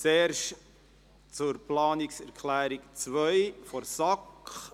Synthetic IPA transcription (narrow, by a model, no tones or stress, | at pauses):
t͡sɛːɾʃ | t͡sʊɾplɑːnɪksɛɾkʰlæːɾikt͡svœjfɔɾsɑk